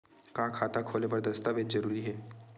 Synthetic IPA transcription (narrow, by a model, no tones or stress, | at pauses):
kãkʰaːt̪akʰoːlepɐɾd̪ɐst̪aʋeːt͡ʃzɐɾuːɾiɦɛː